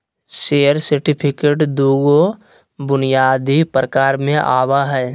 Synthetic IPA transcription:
ʃeːəɾsəɾʈɪpʰɪkeːʈd̪uːɡo | bʊnijaːd̪ipɾəkaːɾmẽʔaːwaɦɛː

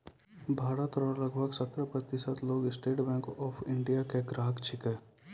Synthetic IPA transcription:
bʱaːɾət̪ɔɾalɐɡbʱəɡsət̪ɾəpɾət̪ɪsət̪loːɡɪsʈeːʈbɛ̃ːŋkɔːpʰɪ̃ɳɖijakeɡɾaːɦəkt͡ʃʰɪkɛ

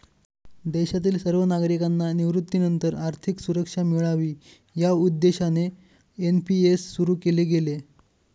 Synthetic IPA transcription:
d̪ɛɕat̪̬iːlsəɾʋənaɡɾikanːaniʋɾut̪ːinənt̪əɾaɾt̪ʰiksuɾəkʂamiɭaʋiː | jaud̪ːeɕane | enpiesːuɾuːkeleɡele

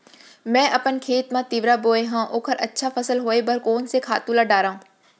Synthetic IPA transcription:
mɛ̃ːʔɐpənkʰeːt̪mãt̪iʋɾaboːeɦãːʔoːkʰəɾʔɐtːʃʰapʰəsəlɦoːebəɾkoːnsekʰa̰ːt̪ulaɖaːɾãː

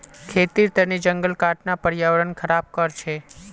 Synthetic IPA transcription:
kʰet̪iɾt̪ənid͡ʒəŋɡəlkaʈnapəɾjaʋəɾənkʰəɾab̚kəɾt͡ʃʰe

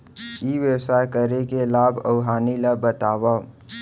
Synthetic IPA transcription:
iːʋjəwsaːjkəɾekelaːbʱəʊɦaːnilabət̪aːwa

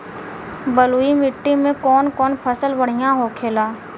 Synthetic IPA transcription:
bəluːimɪʈːimẽkɔːnkɔːnpʰəsəlbəɽ̤ijãɦokʰeːlaː

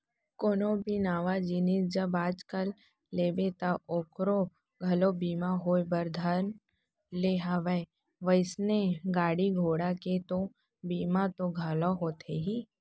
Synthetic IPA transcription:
koːnobinaːʋad͡ʒinid͡ʒɐbaːd͡ʒkəlː | eːbet̪aʔokɾo | ɡʱɐlobiːmaɦoːebɐɾd̪ʱan | leɦaʋəe | ʋəɪsneɡaːɽiɡʱoːɽaket̪o | biːmat̪oɡʱɐloɦoːt̪ʰeɦi

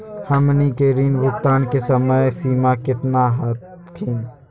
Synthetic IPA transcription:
hɐmnikeɾiːnʋʊk̚t̪aːnkesəməjsiːmakɪt̪naɦət̪ | kʰiːn

